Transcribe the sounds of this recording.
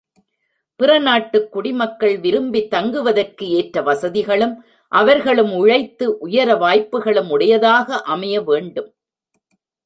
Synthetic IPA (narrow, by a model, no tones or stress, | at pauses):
pɪɾɐnaːʈːɯkːʊɽɪmɐkːɐɭʋɪɾɯmbit̪ːɐŋɡɯʋɐðɐrkɯeːʈɾɐʋɐsɐðɪɣɐɭɯm | ʔɐʋɐɾɣɐɭɯmʊɻɐɪt̪ːɯʔʊjɐɾɐʋaːjpːɯɣɐɭɯmʊɽɐjɐðaːɣɐʔɐmɐjɐʋeːɳɖɯm